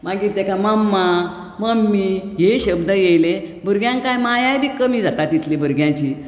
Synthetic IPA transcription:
maɡiːɾt̪ekaməmːa | məmːiɦeɕəbd̪əjelebʱəɾɡjãŋkajmajajbʱiːkəmiːd͡zat̪at̪it̪libʱəɾɡjãt͡ɕi

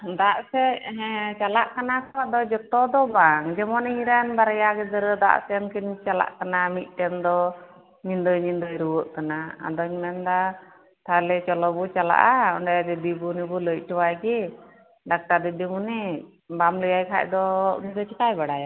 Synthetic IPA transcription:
d̪aʔsɛɦɛt͡ʃalaʔkanakʰɔwad̪ɔd͡ʒɔt̪ɔd̪ɔbaŋd͡ʒɛmɔniɲɾanbaɾjaɡɛd̪əɾəd̪a̰ʔsɛnkʰint͡ʃala̰ʔkanamit̪̚ˀʈɛnd̪ɔ | ɲind̪əjɲind̪əjɾuwɔʔkanaa̰d̪ɔɲmɛnd̪a | t̪alɛt͡ʃɔlɔbut͡ʃala̰ʔaɔɳɖajad̪ɛd̪ibunɛbuləc̚ˀʈɔwajɡɛ | ɖak̚ʈaɾd̪ɛd̪imunɛ | bamləjajkʰa̰ʔd̪ɔnid̪ɔt͡ʃikajbaɽaja

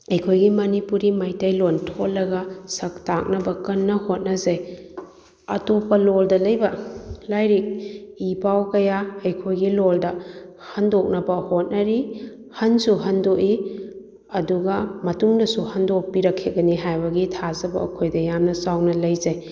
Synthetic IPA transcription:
ɐjkʰojɡimɐnipuɾimajtɐjlontʰolːɐɡɐsɐk̚tak̚nɐbɐkɐnːɐhot̚nɐzaj | ɐtopɐloldɐlɐjbɐlajɾik̚ipawkɐjaɐjkʰojɡiloldɐhɐndok̚nɐbɐhot̚nɐɾi | hɐnsuɦɐndoʔi | ɐduɡɐmɐtuŋdɐsuhɐndopiɾɐkʰːeɡɐniɦajbɐɡitʰazɐbɐ̰ːkʰojdɐjamnɐsawnɐlɐjzaj

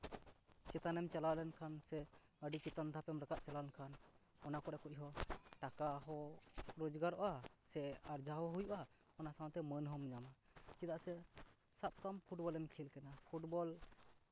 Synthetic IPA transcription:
t͡ʃɛt̪anɛmt͡ʃalawlɛnkʰansɛ | əɖit͡ʃit̪and̪ʱapɛmɾəkaʔ̚t͡ʃalalɛnkʰan | ɔnakɔɾɛkuc̚ˀɦɔʈakaɦɔɾɔd͡ʒɡaɾɔ̰ʔasɛaɾd͡ʒaɦɔɦujuʔa | ɔnasawt̪ɛmənɦɔmɲamat͡ʃid̪aʔsɛ | sap̚kampʰuʈbɔlɛmkʰilkɛnapʰuʈbɔl

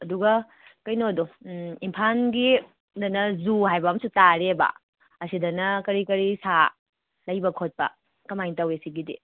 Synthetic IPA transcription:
ɐduɡɐ | kɐjnodoimpʰanɡi | dɐnɐzuhajbɐmsutaɾebɐ̰ | ɐsidɐnɐkɐɾikɐɾisa | lɐjbɐkʰot̚pɐ̰ | kɐmajntɐwesiɡidḭ

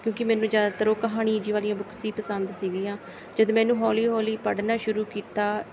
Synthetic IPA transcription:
kjõːkɪmɛ̃ːnũːzjaːd̪aːt̪əɾoːkəɦaːɽ̃iːd͡ʒiːʋaːlijãːbʊkʰsĩːpəsənd̪siːɡiːãː | d͡ʒəd̪mɛ̃ːnũːɦɔːliːɦoːliːpəɽnaːʃʊɾuːkiːt̪aː

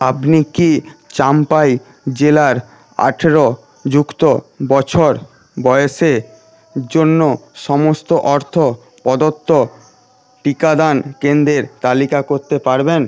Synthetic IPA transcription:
apnikit͡ɕampaj | d͡ʑelaɾ | a̰ʈʰeɾo | d͡ʑukt̪obɔt͡ɕʰoɾ | bɔeʃeɾ | d͡ʑonːoʃɔmost̪oʔɔɾt̪ʰo | pɔd̪ot̪ːo | ʈikad̪ankend̪ɾeɾt̪alikakoɾt̪epaɾben

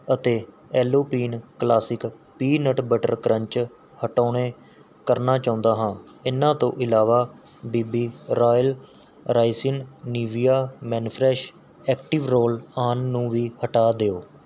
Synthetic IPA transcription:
ət̪eː | ɛːloːpiːnklaːsɪkpiːnəʈbəʈə̰ɾkɾəɲt͡ʃ | həʈaːɳeː | kəɾnaːt͡ʃãːʊ̃nd̪aːɦãː | ɪnãːt̪õ̰ːʔɪlaːʋaː | biːbiːɾaːjəl | ɾaːɪsɪnniːʋijaːmɛːnpʰɾɛːʃ | ɛːkʈɪʋɾoːlaːnːũːʋiːhəʈaːd̪eːoː

